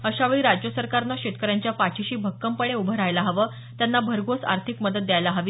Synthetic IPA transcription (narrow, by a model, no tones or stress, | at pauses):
əɕaʋeɭiːɾad͡ʑjəsəɾkaɾnaɕet̪̚kəɾjaɲt͡ɕjapat͡ɕʰiɕiːbʱəkːəmpəɳeubʱəɾajlaɦəʋəː | t̪janːabʱəɾɡosa̰ɾt̪ʰikməd̪ət̪̚d̪jajlaɦəʋiː